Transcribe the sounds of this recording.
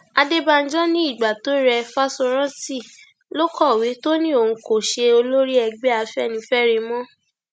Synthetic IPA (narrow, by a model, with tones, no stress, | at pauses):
a˧de˦ba˧n̩˦d͡ʒɔ̃˦nĩ˦i˦˨ɡ͡ba˨to˨˦ɾɛ˧fa˦sɔ˧ɾ̃ã˦ti˦˨ | lo˦kɔ˦˨wi˨˦to˦nĩ˦o˦˨ũ˧ko˨ʃe˧o˧lo˦ɾi˦ɛ˧ɡ͡bɛ˦a˧fɛ˦˨nĩ˧fɛ˦ɾi˧˦mɔ̃˦